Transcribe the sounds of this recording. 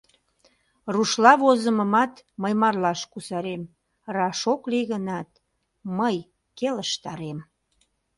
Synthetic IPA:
ruʃlɑβozəməmɑt̪məjmɑrlɑʃkusɑɾem | rɑʃokliɣənɑt̪̚ | məj | keləʃt̪ɑɾem

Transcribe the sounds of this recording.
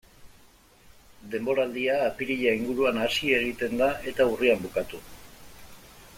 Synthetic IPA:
d̪e̞mbo̞ɾald̪iaːpiɾiʎaiŋɡuɾuanasie̞ɣ̞it̪e̞nd̪aʔe̞t̪auriambukat̪u

